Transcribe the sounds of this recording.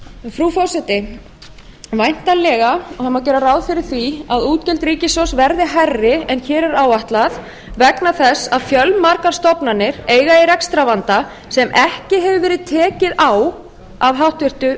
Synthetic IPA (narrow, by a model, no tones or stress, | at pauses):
fɾufɔwsɛt̪ɪ | vajn̥t̪anlɛɣaɔhamːawc̬ɛːɾaraːwðfɪɾɪɾ̥θviaðuːt̪cɛlt̪ɾiːcɪsɔsvɛɾðɪɦarːɪɛnçɛːɾɛɾaːwaht̪lað | vɛknaθɛsːaðfjœlmaɾkaɾ̥st̪ɔpnanːɪɾeːjɣaɛɾɛkst̪ɾavant̪a | sɛmʔɛhcɪɦɛvʏvɛːɾɪðt̪ʰɛːcɪðaːw | avɦawht̪vɪr̥t̪ʏ